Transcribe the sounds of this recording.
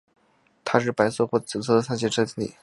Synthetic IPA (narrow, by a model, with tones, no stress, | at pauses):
t̪ʰa˥ʂɻ̩˥˩pa˧˥ɪsɤ˥˩xwɔ˥˩t͡sɹ̩˨˩t͡sʰɤ˥˩d̪ə˨sa˥˧nɕjɛ˥˩ʈ͡ʂʰɤ˥t͡ɕi˥nḭ˨˩˦